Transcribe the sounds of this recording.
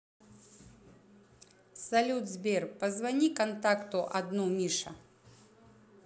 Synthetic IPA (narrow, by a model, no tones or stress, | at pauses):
sɐlʲud̪zbʲɛrpɐzvɐnʲikɐnt̪akt̪ʊʔɐd̪numʲiʂɐ̰